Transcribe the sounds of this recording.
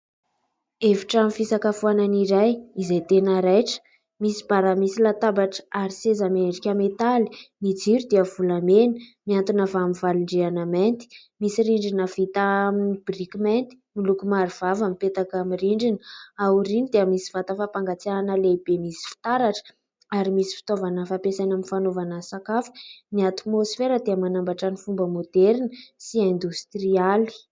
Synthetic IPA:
eviʈ͡ʂamifisakafuananiɾajizajt̪enəɾajʈ͡ʂə̥ | misi̥b̥aɾamisilat̪abaʈ͡ʂə̥aɾisezameɳɖ͡ʐikʲamet̪ali̥mid͡ziɾud̪eəvulamenə̥miant̪unavamivaliɳɖ͡ʐeanament̪i̥ | misiɾiɳɖ͡ʐinəvit̪aminib̥rikiment̪i̥milukumaɾivavamipet̪akamiriɳɖ͡ʐinəauɾinid̪eəmisi̥vat̪əfapaŋɡat͡sianəleb̥emisi̥fi̥t̪aɾaʈ͡ʂə̥ | aɾimisi̥fi̥t̪ovanəfapesanaminfanovanəsakafə̥niat̪mosfeɾəd̪eəmanambaʈ͡ʂanifumbəmod̪̥ɛɾinəsiɛnd̪ust̪riali̥

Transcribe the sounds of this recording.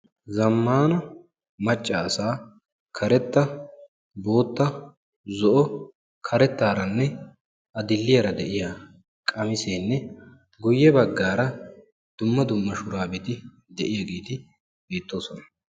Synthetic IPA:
zɐmːaːnɐ | mɐt͡ʃʼːɐːsaː | kʰɐɾɛt̪ːɐ | bo̞ːt̪ːɐ | zɔʔɔ | kʰɐɾɛt̪ːaːɾɐnːɛ | ʔɐd̪ɪlːɪjɐɾɐd̪ɛʔɪjaː | kʼɐmɪseːnːɛ | ɡʊjːɛbɐɡːaːɾɐ | d̪̥ʊmːɐd̪ʊmːɐʃʊɾaːbɛt̪ɪ | d̪ɛʔɪjɐɡeːt̪ɪ | beːt̪ːo̞ːsɔnɐ̥

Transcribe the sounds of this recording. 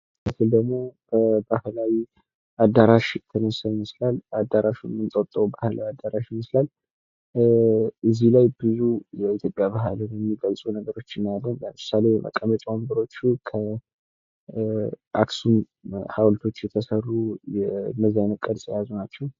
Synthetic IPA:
məfɨld̪əɡmo̞b̥əbahlawi | ʔad̪aɾaʃt̪ʰənəsaiməslalad̪aɾaʃumɨnt̪ʼət̪ʼːəwbahla̰wiad̪ːaɾaʃɪməslal | ɨzilajbɨzujɛit̪jo̞pʼjaβaɦlnjɛmːiɡəlsʼunəɡəɾo̞t͡ʃːɪnalːənləmɨsale̞jɛmə̰kʼːəmət͡ʃʼawambɨɾo̞t͡ʃːukʰə | ʔa̰ksum | hawlt̪ʰo̞t͡ʃːjɛt̪ʰəsərːujɛməzajnəkʼəlsʼjazunat͡ʃːɛw

